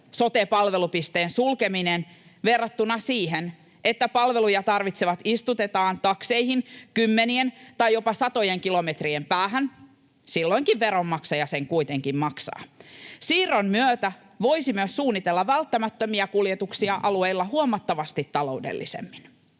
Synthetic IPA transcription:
so̞t̪epɑlʋe̞lupist̪eːnsulkeminenʋerːɑt̪ːunɑsiːɦen | ʔet̪ːæpɑlʋe̞lujɑt̪ɑrʋit̪seʋɑt̪ist̪ut̪et̪ɑːnt̪ɑkse̞ihinkymːenient̪ɑjjopɑsɑt̪o̞jeŋkilo̞met̪riempæːɦæn | silːoiŋkiʋʋeɾomːɑksɑjɑseŋkuit̪eŋkimmɑksɑ̰ːsiːrommyøt̪æ | ʋo̞isimyøssuːnːit̪elːɑʋælt̪ːæmæt̪ːømiɑkuljet̪uksiɑʔɑlueilːɑhuomɑt̪ːɑʋɑst̪it̪ːɑlo̞udḛlːisḛmːin

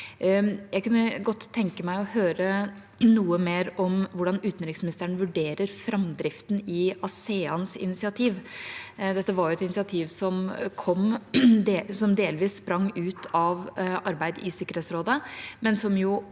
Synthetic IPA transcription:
jæɪkʉnːəɡɔt̪ʰːɛŋkəmæɪɔhøːɾə | nuːəmeːɾɔmʋʊɖɑnʉːt̪n̩ɾɪksmɪnɪst̪əɳəʋʉɖeːɾəɾfɾɑmd̪ɾɪft̪n̩ɪɑseːɑnsɪ̰nɪsɪɑt̪ʰiːʋ | d̪ɛt̪ːəʋɑɾjʊɛt̪ɪnɪsɪɑt̪ʰiːʋsɔmkʰɔmː | sɔmd̪eːlʋiːsːpɾɑŋːʉːt̪ʰɑʋʔɑɾbæɪd̪ɪsɪkəɾheːt̪sɾoːd̪əmɛnsɔmjʊ

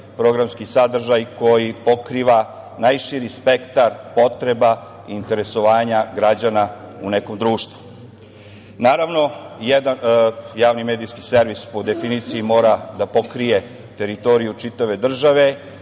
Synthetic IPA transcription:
pɾo̞ɡɾamskisad̪r̩ʒajko̞jipo̞kɾiʋa | najʃiɾispe̞kt̪aɾpo̞t̪ɾe̞ba | int̪e̞ɾe̞so̞ʋaːɲaɡɾad͡ʑanaune̞ko̞md̪ɾuːʃt̪ʋu̥ | naːɾaʋno̞jed̪anjaːʋnimeːd̪ijskise̞ɾʋispo̞d̪e̞finit̪sijimo̞ːɾad̪apo̞kɾije̞ | t̪e̞ɾit̪o̞ɾijut͡ʃit̪aʋe̞d̪r̩ʒaʋe̞

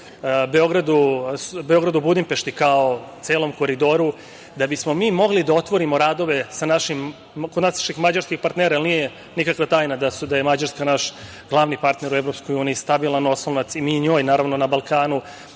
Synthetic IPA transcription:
beo̞ɡɾad̪usbeo̞ɡɾad̪ubud̪impe̞ʃt̪ikaot̪seːlo̞mko̞ɾid̪o̞ɾu | d̪abismo̞miːmo̞ɡlid̪ao̞t̪ʋo̞ɾimo̞ɾaːd̪o̞ʋe̞sanaʃim | kod̪naːsḁʃixmad͡ʑaɾskixpaɾt̪neːɾajalnije | nikakʋat̪aːjnad̪asd̪ajemad͡ʑaɾskanaʃ | ɡ̥lˠaːʋnipaɾt̪ne̞ɾueʋɾo̞psko̞juːniːst̪abilˠano̞slonat̪simiːɲo̞ːjnaːɾaʋnonabalˠkaːnu

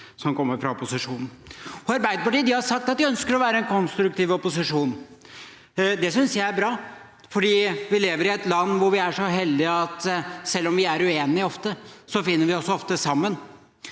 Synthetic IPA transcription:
sɔmkɔmːəɾfɾɑɔpʊsɪʂuːnn̩ɔɑɾbæɪd̪əpɑʈiːd̪ɪhɑɾʂɑk̚t̪ɑt̪̚ʋɪœnskəɾɔʋæːɾəɛnkʰɔnst̪ɾʉk̚t̪iːʋɔpʊsɪʂuːn | d̪ɛsʏnsjæɪæɾbɾɑː | fɔɖiːʋɪleːʋəɾɪɛt̪lɑnːʋʊɾʋɪæʂɔɦɛld̪ɪɑt̪sɛlːɔmʋɪæɾʉeːnɪɔft̪əsɔfɪnːəɾʋɪɔsɔft̪əsɑmːən

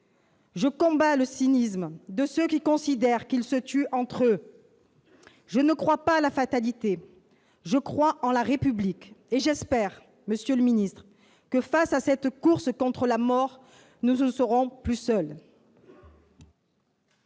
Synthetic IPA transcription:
ʒəkɔ̃baləsinismd̪əsøkʲikɔ̃sid̪ɛʁkilsət̪yʔɑ̃t̪χø | ʒənəkχwapalafat̪alit̪e | ʒəkχwaʔɑ̃laʁepyblikeʒɛspɛʁ | məsjøləminist̪χ | kəfasasɛt̪kuʁskɔ̃t̪χəlamɔʁ | nusəʁɔ̃plysœl

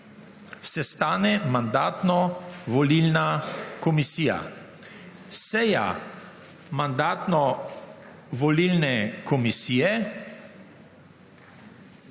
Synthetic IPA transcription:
sɛst̪aːnɛmand̪aːt̪nɔʋɔliːlnakɔmisiːja̰ | sɛja̰ | mand̪aːt̪nɔ | ʋɔliːlnɛkɔmisiːjɛ

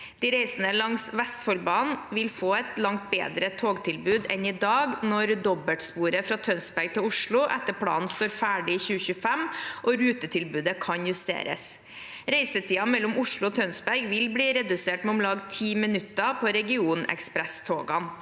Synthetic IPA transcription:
d̪̥iːɾɛɪsnəlɑŋsʋɛst̪fɔlbɑːnʋɪlfoːɛt̪lɑŋt̪̚bḛːd̪ɾət̪ʰoːɡt̪ʰɪlbʉːd̪ɛnɪd̪ɑːɡnɔɾd̪ɔbəʈspuːɾəfɾɑːt̪ʰœnsbæɾɡ̚t̪ʰɪlʊʂɭʊʔɛt̪ːəpʰlɑ̰ːn̩st̪oːɾfæːɖɪiçʉːəçʉːfæmʔɔɾʉːt̪ət̪ʰɪlbʉːd̪əkʰɑnjʉst̪ḛːɾə̰s | ɾɛɪsət̪ʰiːɑmɛlːʊmʊʂɭʊɔt̪ʰœnsbæɾɡʋɪlbliːɾɛd̪ʉseːʈmɛʊmlɑːɡt̪ʰiːmɪnʉt̪ːɑpʰɔɾɛɡɪuːnɛ̰kspɾɛst̪ʰoːɡɑ̰n

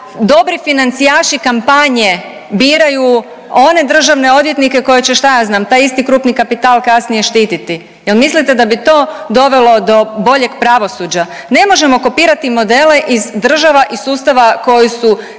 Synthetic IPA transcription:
d̪o̞bɾifinant̪sijaːʃikampaɲe̞ | biːɾaju | o̞ne̞d̪r̩ʒaʋne̞o̞d̪je̞t̪nike̞ko̞jet͡ɕeʃt̪ajaːznaːmt̪aːjist̪ikɾuːpnikapit̪aːlˠkasnije̞ʃt̪iːt̪it̪i | je̞lmislit̪e̞d̪abit̪o̞ːd̪o̞ʋe̞lo̞d̪o̞bo̞ʎe̞ɡpɾaʋo̞suːd͡ʑa | ne̞mo̞ʒe̞mo̞ko̞piːɾat̪imo̞d̪e̞le̞ʔizd̪r̩ʒaʋaʔisuːst̪aʋako̞jisu

